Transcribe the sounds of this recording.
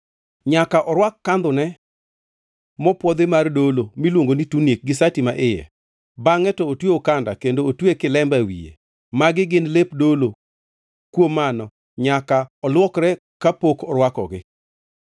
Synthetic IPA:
ɲakaʔɔɾwakːand̪ʊnɛ | mɔpwɔd̪ɪmardolomilwoŋɡonitunjek̚ɡɪsatimaʔɪjɛ̰ | baŋɛtɔotweokanda̰kendoːtwekɪlɛmbawḭjḛ | maɡɪɡɪnlepdolo | kwomanɔ | ɲakaɔlwɔkɾɛ | kapokɔɾwakɔ̰ɡɪ̰

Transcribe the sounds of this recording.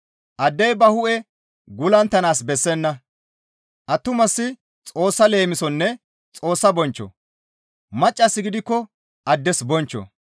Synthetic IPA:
ʔɐd̪ːɛjbɐhʊʔɛ | ɡʊlɐnt̪ːɐnaːsbɛsːɛnːɐ | ʔɐt̪ːʊmɐsːɪ | t͡sʼo̞ːsːɐle̞ːmɪsɔnːɛ | t͡sʼo̞ːsːɐbɔnt͡ʃːɔ̰ | mɐt͡ʃʼːɐsːɪɡɪd̪ɪkːɔ | ʔɐd̪ːɛsbɔnt͡ʃːɔ̰

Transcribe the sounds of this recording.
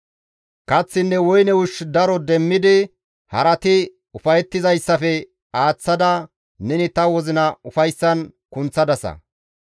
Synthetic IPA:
kɐt͡sːɪnːɛwɔjnɛwʊʃd̪ɐɾɔd̪ɛmːɪd̪ɪ | hɐ̰ɾɐt̪ɪ | ʊfɐjɛt̪ːɪzɐjsːɐfɛ | aːt͡sːɐd̪ɐ | nɛnɪt̪ɐwɔzɪnɐʊfɐjsːɐnkʊnt͡sːɐd̪ɐsɐ̰

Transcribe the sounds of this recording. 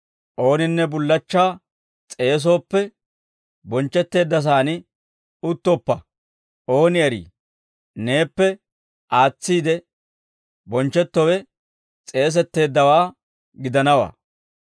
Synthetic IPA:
ʔo̞ːnɪnːɛbʊlːɐt͡ʃːaː | t͡sʼe̞ːs̬o̞ːpːɛ | bɔnt͡ʃːɛt̪ːe̞ːd̪ːɐs̬aːnɪ | ʊt̪ːɔpːɐ | o̞ːnɪɐɾḭː | ne̞ːpːɛ | ʔaːt͡sːiːd̪ɛ | bɔnt͡ʃːɛt̪ːɔwɛ | t͡sʼe̞ːs̬ɛt̪ːe̞ːd̪ːɐwaː | ɡɪd̪ɐnɐwa̰ː

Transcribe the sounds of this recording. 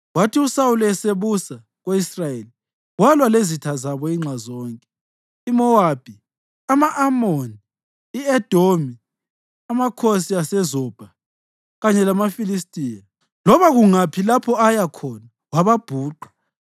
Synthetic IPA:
watʰiusawuluɛseβusa | ɣeisrajeli | walwalezitʰazaβɔiŋ͡ǁʱazɔːŋkʼɛ | imɔwab̥ʱi | amaʔamoniː | ɛd̥ʱomi | amakʰosiasɛzɔb̥ʱa | ɣaɲɛlamafilis̬tʼiːja | lɔβaɣuŋapʰilapʰɔajakʰɔna | waβab̥ʱuːǃḁ

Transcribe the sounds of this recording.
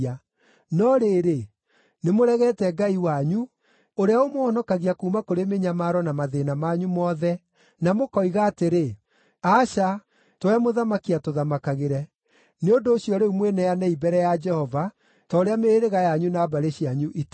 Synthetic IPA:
a | nɔɾeɾe | nemoɾɛɣɛtɛɡaiwaɲu | oɾeaomoɔnɔkaɣiakuːmakoɾemeɲamaɾɔnamaðenamaɲumɔðɛ | namokɔiɣaːteɾe | aʃa | towɛmoðamakiatoðamakaɣeɾɛ | neondoːɕijɔɾeumwɛnɛjanɛibɛɾɛjad͡ʒɛhɔva | tɔoɾeameeɾeɣajaɲunaːbaɾeɕiaɲuʔit

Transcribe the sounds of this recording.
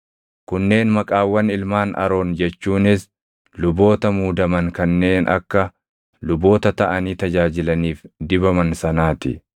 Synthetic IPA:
kʊnːe̞ːnmɐkʼaːwːɐnɪlmaːnɐ̰ɾo̞ːnd͡ʒɛt͡ʃːuːnɪs | lʊbo̞ːt̪ɐmuːd̪ɐmɐŋkɐnːe̞ːnʔɐ̰kːɐ | lʊbo̞ːt̪ɐt̪ɐʔɐniːt̪ɐd͡ʒaːd͡ʒɪlɐniːfd̪ɪbɐmɐnsɐnaːt̪ɪ̰

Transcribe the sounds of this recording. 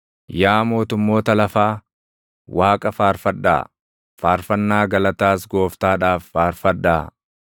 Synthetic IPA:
jaːmo̞ːt̪ʊmːo̞ːt̪ɐlɐfaː | waːkʼɐfaːɾfɐdːa̰ː | faːɾfɐnːaːɡɐlɐt̪aːsɡo̞ːft̪aːᶑaːfːaːɾfɐdːaː

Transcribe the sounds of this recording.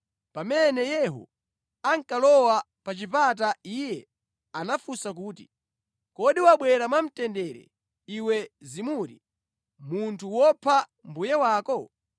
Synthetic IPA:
pamɛnɛjɛɦṵ | aŋkalɔwa | pat͡ʃipat̬aijɛ | anafusak̬uːti̥ | kɔɗiwaɓwɛɾamam̩tɛndɛɾɛ̰ | iwɛzimuːɾi | muntʰuwɔpʰa | mbujɛwaːkɔ

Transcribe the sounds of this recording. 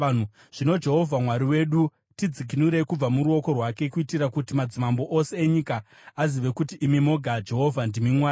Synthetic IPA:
nu | ʐ̥ino̞d͡ʒe̞ɦo̞vʱamwaɾiwe̞ɗu | tid͡zik̬inuɾe̞kub͡vamuɾuo̞ko̞rwake̞kuitiɾakutimad͡zimambo̞ʔose̞ːɲikaː | ziʋe̞kutiʔːmimo̞ɡʱad͡ʒe̞ɦo̞vʱandimimwaːɾi

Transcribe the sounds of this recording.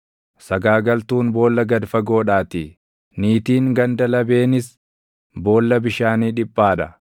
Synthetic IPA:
sɐɡaːɡɐlt̪uːnbo̞ːlːɐɡɐd̪fɐɡo̞ːᶑaːt̪i | niːt̪iːŋɡɐnd̪ɐlɐbe̞ːnɪs | bo̞ːlːɐbɪʃaːniːᶑɪpʼːaːᶑɐ

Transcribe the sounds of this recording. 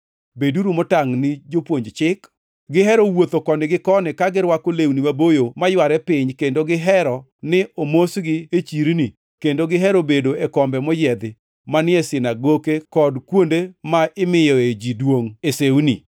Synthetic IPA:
beduɾumɔtaŋnɪd͡ʒopwoɲd͡ʒt͡ʃɪk | ɡɪɦɛɾɔwot̪okɔnɪɡɪkɔnɪkaɡɪɾwakolewnimabojomajwaɾɛpɪɲkendoɡɪɦɛɾɔ | nɪomosɡɪet͡ʃiɾni | kendoɡɪɦɛɾobedoekɔmbɛmɔjɛd̪ɪ | manɪɛsɪnaɡokekɔdkwondemaʔɪmɪjɔed͡ʒidwoŋesewni

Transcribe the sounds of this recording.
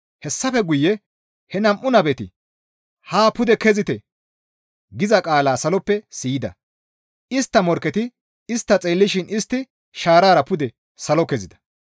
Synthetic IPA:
hɛsːɐfɛɡʊjːɛ | hɛnɐmʔʊnɐbɛt̪ɪ̰ | haːpʊd̪ɛkɛzɪt̪ɛ | ɡɪzɐkʼaːlaːsɐlɔpːɛsiːjɪd̪ɐ̰ | ɪst̪ːɐmɔɾkːɛt̪ɪ | ɪst̪ːɐt͡sʼeːlːɪʃɪnɪst̪ːɪ | ʃaːɾaːɾɐpʊd̪ɛ | sɐlɔkɛzɪd̪ɐ̥

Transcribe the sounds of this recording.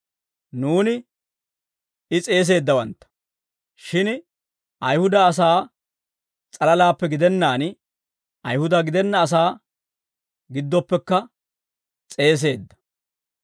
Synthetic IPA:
nuːnɪ | ɪt͡sʼe̞ːs̬e̞ːd̪ːɐwɐnt̪ːɐ̥ | ʃɪn | ʔɐjhʊd̪ɐːs̬aː | t͡sʼɐlɐlaːpːɛɡɪd̪ɛnːaːn | ɐjhʊd̪ɐɡɪd̪ɛnːɐːs̬aː | ɡɪd̪ːɔpːɛkːɐ | t͡sʼe̞ːs̬e̞ːd̪ːɐ̥

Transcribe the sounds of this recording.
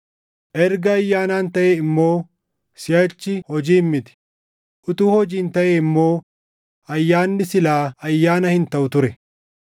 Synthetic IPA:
ʔɛɾɡɐːjːaːnaːnt̪ɐʔeːɪmːo̞ː | sɪjɐt͡ʃːɪhɔd͡ʒiːmːɪt̪ɪ̥ | ʔʊt̪uːhɔd͡ʒiːnt̪ɐʔeːɪmːo̞ː | ɐjːaːnːɪsɪlaːɐjːaːnɐhɪnt̪ɐʔʊt̪ʊɾɛ

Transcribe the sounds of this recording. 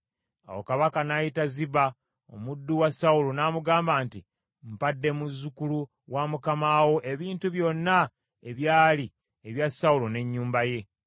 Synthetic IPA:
a̰wo̰kaβakanajitaziβa | o̞̰mudːuwasaulonaːmuɡaːmbaːnti | mpadːe̞muzːukulu | wamukamaːwo̞ʔe̞βiːntuβjo̞nːa | e̞βjaːli | eβjasːaulone̞ɲːuːmbaje̞

